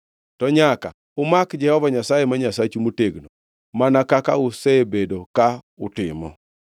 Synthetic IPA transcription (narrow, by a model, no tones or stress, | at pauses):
tɔɲaka̰ | ʊmakd͡ʒɛhɔvaɲasajemaɲasat͡ʃumoteɡno | manakakaʊsebedoka | ʊtɪ̰mɔ̰